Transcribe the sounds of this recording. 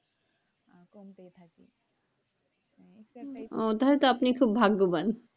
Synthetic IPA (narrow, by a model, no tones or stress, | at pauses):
akɔmt̪et̪ʰakḭ | ot̪aɦɔlet̪oapnikʰubbʱaɡːuban